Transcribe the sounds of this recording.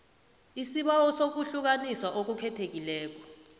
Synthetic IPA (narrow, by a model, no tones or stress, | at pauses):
isiɓawɔsok̬uɬuk̬aniswaʔok̬ukʰɛtʰek̬ilɛːk̬ɔ̥